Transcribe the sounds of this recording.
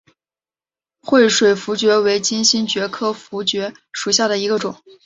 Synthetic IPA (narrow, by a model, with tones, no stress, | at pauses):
xwe˥˩ɪʂwe˨˩ɪfu˧˥t͡ɕɥɛ˧˥we˧˥ɪt͡ɕi˥nɕi˥nt͡ɕɥɛ˧˥kʰɤ˥fu˧˥t͡ɕɥɛ˧˥ | ʂu˨˩ɕja˥˩ɾə˩i˧˥ɡə˧ʈ͡ʂʊ˨˩˦ŋ